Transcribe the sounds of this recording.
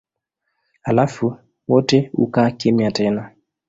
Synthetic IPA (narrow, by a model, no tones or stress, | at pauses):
alafu | wɔteṵkakemiatɛna